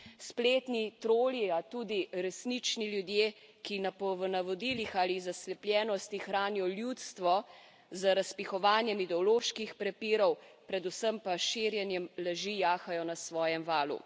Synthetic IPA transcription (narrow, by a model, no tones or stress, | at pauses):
spleːt̪nit̪ɾoːliat̪uːd̪iɾɛsnit͡ʃniljud̪jeːkinapɔʋənaʋɔd̪ilixaːlizaslɛpljɛːnɔst̪ixɾaːniɔljut̪st̪ʋɔ | zaɾaspixɔʋaːnjɛmid̪ɛɔloːʃkixpɾɛpiːɾɔwpɾɛd̪usəmpaʃiːɾjɛnjɛmlɛʒijaːxajɔnasʋɔːjɛmʋaːlṵ